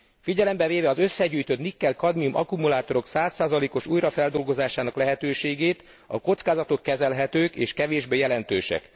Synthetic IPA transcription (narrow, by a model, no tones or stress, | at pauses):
fiɟɛlɛmbɛveːvɛɒzø̞sːɛɟuːjt̪øt̪nikːɛlkɒd̪miumʔɒ̰kumulaːt̪o̞ɾo̞ksaːsːaːzɒleːko̞ʃujrɒfɛld̪o̞lɡo̞zaːʃaːnɒklɛɦɛt̪øːʃeːɡeːt̪ | ɒ̰ko̞t̪skaːzɒt̪o̞kːɛzɛlɦɛt̪øːkḛːʃkɛveːʒbeːjɛlɛnt̪ø̰ːʃɛ̰k